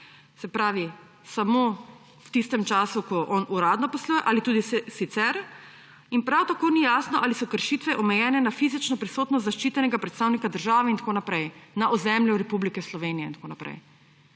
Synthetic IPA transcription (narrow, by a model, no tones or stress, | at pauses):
sɛpɾaːʋi | samo | wt̪ist̪ɛmt͡ʃaːsukɔʔɔnuɾaːd̪nɔpɔsluːjɛʔalit̪uːd̪isit̪sɛɾ | inpɾawt̪akoːnijaːsnɔʔalisɔkəɾʃit̪ʋɛʔɔmɛjɛːnɛnafizit͡ʃnɔpɾisoːt̪nɔst̪zaʃt͡ʃiːt̪ɛnɛɡapɾɛt̪st̪aːwnikad̪əɾʒaːʋɛint̪akoːnapɾɛjnaʔɔzɛmljuɾɛpublikɛslɔʋenijɛint̪koːnapɾɛ̰j